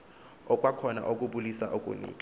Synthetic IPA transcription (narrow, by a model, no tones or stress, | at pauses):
ɔkʼwakʰɔna̰ʔok̬ʼuɓulisa̰ʔokʼṵnḭːkʼa